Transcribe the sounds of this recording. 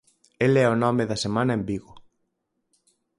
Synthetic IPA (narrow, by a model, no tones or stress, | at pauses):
elɛonɔmeðɐsemãnɐembiɣʊ